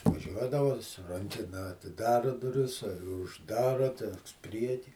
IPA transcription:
ʋɐˈʒʲuɔdɐʋɐ sʊ ˈrɐŋʲkʲɛnɐ ɐtʲɪˈdɑːrɐ dʊˈrʲɪs ɪ ʊʒˈdɑːrɐ tʲɛn ˈpʲrʲiɛkʲiː

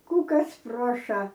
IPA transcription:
ˈkuː ˈkɐs ˈpruɔʃɐ

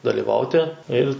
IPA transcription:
dɐlʲiːˈʋɐʊtʲɪ ɪlʲ

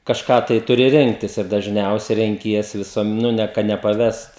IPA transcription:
kɐʃˈkɑː tɐɪ ˈtʊrʲɪ ˈrʲɪŋktʲɪs ɪr dɐʒʲˈnʲɛʊsʲɛ rʲɛŋʲˈkʲiɛsʲɪ ʋʲɪˈsuɔm ˈnʊ nʲɛ kɐ nʲɛpɐˈʋʲɛst

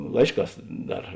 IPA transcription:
ˈlˠɐɪʃˌkɑːs ˈdɐr

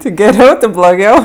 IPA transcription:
tʲɪ ɡʲɛˈrʲɛʊ tʲɪ blˠoːˈɡʲɛʊ

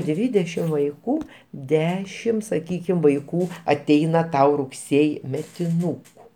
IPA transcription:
ˈdʲʋʲiːdʲɛʃʲɪm ʋɐɪˈkuː ˈdʲæːʃʲɪm sɐˈkʲiːkʲɪm ʋɐɪˈkuː ɐˈtʲɛɪnɐ ˈtɐʊ rʊkˈsʲeːjɪ mʲɛtʲɪˈnuːkʊ

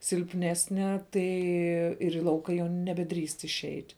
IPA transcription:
sʲɪlʲpʲˈnʲæːsʲnʲɛ ˈtɐɪ ɪr iː ˈlˠɐʊkɐ jɛʊ nʲɛbʲɛˈdʲrʲiːst ɪʃʲˈɛɪtʲ

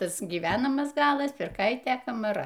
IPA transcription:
ˈtɐs ɡʲiːˈʋʲæːnɐmɐs ˈɡɑːlˠɐs pʲɪrˈkɐɪtʲeː kɐmɐˈrɐ

